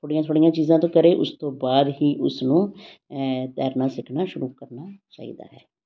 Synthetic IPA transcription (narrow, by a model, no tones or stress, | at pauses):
t̪ʰoːɽɪjãːt̪ʰoːɽijãːt͡ʃiːzãːt̪õːkəɾeːʔʊst̪õːbaːd̪ɦiːʔʊsnũː | t̪ɛ̰ːɾnaːsɪkʰnaːʃʊɾuːkəɾnaːt͡ʃa̰ːḭːd̪a̰ːɦɛː